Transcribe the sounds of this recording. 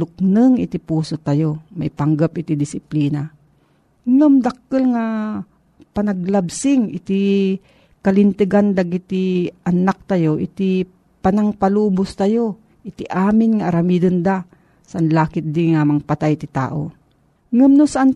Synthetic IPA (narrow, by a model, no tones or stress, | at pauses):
ʊk̚nɨŋɪ̰t̪ipuːsot̪ajomajpɐŋɡapɪt̪id̪ɪsɪpliːna | ŋamd̪ak̚əlŋa | pɐnɐɡ̚labsɪŋʔɪ̰t̪i | kɐlɪnt̪ɨɡand̪aɡit̪iʔɐnak̚t̪ajoʔɪt̪i | panaŋpaluːbʊst̪ajo | ʔɪt̪iʔaːmɪnŋaʔaɾamid̪ɨnd̪a | saʔanlaːkɪt̪̚d̪iŋamɐŋpat̪ajt̪ɪt̪a̰ːʔo̰ | ŋɐmnosaʔan